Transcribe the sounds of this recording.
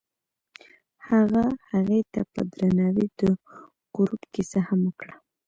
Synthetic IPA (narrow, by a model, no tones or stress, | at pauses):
haɣahaɣejt̪apə̰d̪ɾanɑwid̪ə | ɡ̥ʊɾupkisahamwəkɽa